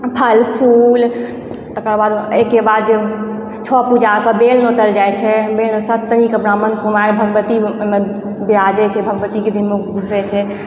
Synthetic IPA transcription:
pʰəlpʰul | t̪əkəɾbad̪ekːebad̪d͡ʒe | t͡ʃʰɔpud͡ʒakəbelnot̪əld͡ʒajt͡ʃʰɛbelnosət̪ːnikebɾamənkumaɾbʱəɡəbət̪ime | biad͡ʒɛt͡ʃʰɛbʱəɡbət̪iked̪ʱinmeɡʱusɛt͡ʃʰɛ

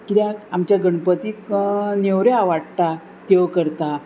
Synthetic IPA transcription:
kiɾjakamt͡ɕjaɡəɳpət̪iːknewɾjeaʋaɽt̪a | t̪eʋkəɾt̪a

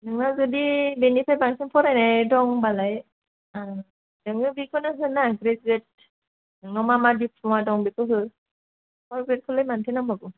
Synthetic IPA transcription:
nɯŋnazɔdibenipʰajbaŋsinpʰɔɾajnajdɔŋbalaj | a | dɯŋɯbikɔnɯɦɯnaɡɾezet̚ | nɯŋnɔmamadipʰɔwadɔŋbikɯɦɯ | pʰɔɹɡɹet̚kʰɔlɯjmantʰenaŋbaɡɔ

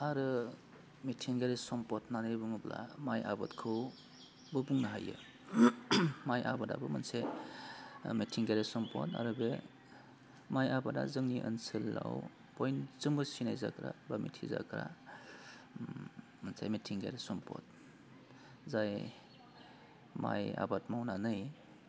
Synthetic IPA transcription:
aɾɯ | mitʰiŋɡaɾesɔmpɔtnaɾɯjbɯmɯblamajabɯtkʰɯw | bɯbuŋnaɦa̰jɯ̰ | majʔabada̰bɯmɐnse | mitʰiŋɡaɾesɔmpʰɔ̰ta̰ɾɯbe | majabada̰zɯŋniʔə̰nsɯlːa̰w | pɔjnzɯmbɯsinajzakɾabamitʰiza̰kɾa | mansa̰jmetʰiŋɡa̰ɾesɔmpʰɔ̰t̚ | zaj | ma̰ja̰batmawnanɯj

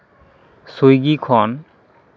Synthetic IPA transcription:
sojɡikʰɔn

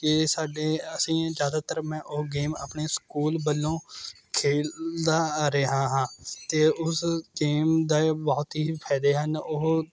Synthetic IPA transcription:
kɪsaːɖeːəsĩːd͡ʒjaːd̪aːt̪əɾmɛ̃ːʔʊɦɡeːma̰ːpɳeːskuːlbəlːõː | kʰeːld̪aːɾeɦãːɦãːt̪eːʊsɡeːmd̪aːbɔːt̪ɦiːpʰɛːd̪eːɦənʊɦ

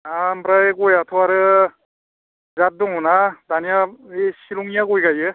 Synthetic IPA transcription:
ambɾajɡɔjatʰɔaɾɯ | zat̚duŋɔnadanijaesiluŋijaɡojɡajɯ

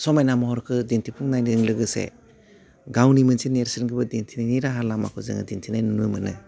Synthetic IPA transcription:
sɔmajnamahɔɾkʰɯdintʰipʰuŋnajnɯŋlɯɡɯsḛ | ɡawnimɯnsineɾsɯnɡɯbɯdintʰinajniɾaɦaɾlama̰kʰɔzɯ̰ŋɯ̰dintʰinajnunujmɯnɯ̰

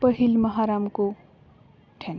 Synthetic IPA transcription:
pʌɦilmʌɦaɾamko | ʈʰen

